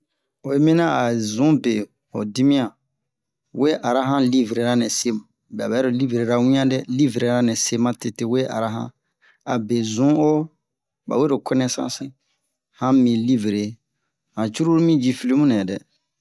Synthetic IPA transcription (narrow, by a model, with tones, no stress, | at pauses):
o˨e˦mĩ˦nã˦a˨zũ˨˦be˨ | ho̰˨di˦mĩ˦ã˨ | we˦ʔa˨ɾa˦ɦã˦li˦vɾe˨ɾa˦nɛ̃˨se˦mũ˨ | bɛ˨a˨bɛ˨˦ɾo˨li˦vɾe˨ɾa˦wĩ˦ã˦dɛ˦li˦vɾe˨ɾa˦nɛ̃˨se˦mã˦te˦te˦we˦ʔa̰˨ɾa˦ɦã̰˦ | a˨be˨zũ˦o˦ | ba̰˨we˦ɾo˨kɛ˦nɛ̃˦sã̰˦sĩ˦ | hã˦mĩ˨li˦vɾe˨˦ | hã˨t͡ʃu˦ɾu˦ɾmĩ˦d͡ʒi˦fi˦li˦mũ˦nɛ̃˨dɛ˨